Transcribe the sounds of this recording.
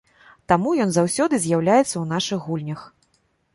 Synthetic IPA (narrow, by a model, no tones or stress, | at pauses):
t̪amujɔnzawsʲɔd̪ɨzʲjawlʲajɛt̪sːɐwn̪aʂɨɣːulʲnʲɐx